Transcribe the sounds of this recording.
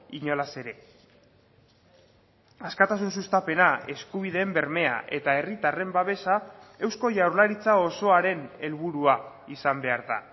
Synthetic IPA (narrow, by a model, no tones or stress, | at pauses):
iɲolase̞ɾe̞ | askat̪asunsust̪ape̞nae̞skuβ̞iðe̞ːmbe̞ɾme̞a̰ʔe̞t̪ae̞rit̪are̞mbaβe̞sae̞wsko̞ʝawɾlaɾit͡sao̞so̞aɾe̞ne̞lβ̞uɾua | isambe̞aɾða̰